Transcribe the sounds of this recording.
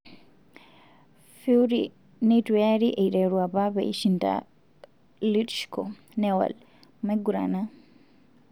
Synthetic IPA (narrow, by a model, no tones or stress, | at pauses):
fiuɾi | nitujaɾiʔeiɾɛɾwaβaβḛiʃinda̰ | litʃkɔ | nɛwa̰l | mɛɡuɾa̰na